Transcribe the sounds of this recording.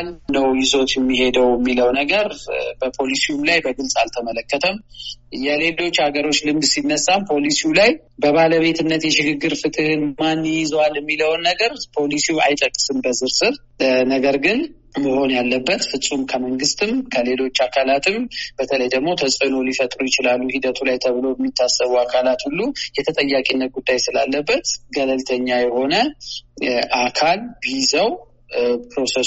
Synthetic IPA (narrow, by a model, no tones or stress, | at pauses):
alːəwjɪzo̞t̪jɛmːiɦe̞d̪əwjɛmːiləwnəɡəɾbəpʰo̞lisijumlajbəɡɨlsʼalt̪ʰəmələkːət̪ʰəmjɛle̞lo̞t͡ʃːhaɡəɾo̞t͡ʃːlɨmd̪sinːəsːampʰo̞lisiulaj | bəβaləβe̞t̪ɨnːət̪jɛʃɪɡɨɡːɨɾfɨt̪ʼɨhɨnmanːjɪzwaljɛmːiləwnːəɡəɾpʰo̞lisiwa̰jt̪ʼəkʼːɨsɨnbəzɨɾsɨɾ | nəɡəɾɡɨn | məho̞njalːəbːət̪fɨsʼumkʰəməŋɡɨst̪ɨmkʰəle̞lo̞t͡ʃːakʰalat̪ʰɨmb̥ət̪ʰələjd̪əɡmo̞t̪ʰəsʼəno̞lifət̪ʼɾujɪt͡ʃɪlalːuhid̪ət̪ʰulajt̪ʰəβɨlo̞bəmːit̪ʰːasːəβuakʰalat̪hulːujɛt̪ʰət̪ʼəjːakʼinːət̪̚ɡud̪ːajsɨlalːəbːət̪ɡələlt̪ʰəɲːajɛho̞nə | ʔakʰalbizəw | pɾo̞se